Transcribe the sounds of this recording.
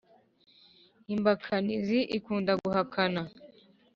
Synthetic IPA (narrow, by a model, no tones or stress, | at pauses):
imbakʰaniziʔikundaɡuhakʰana